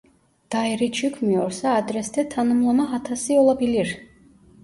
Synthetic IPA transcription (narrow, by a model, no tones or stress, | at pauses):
d̪̥aɛɾit͡ʃʰukʰmiɔɾsaːd̪ɾɛst̪ʰɛt̪ʰanumlˠɔnaɦat̪ʰasiɔlˠabiliɾ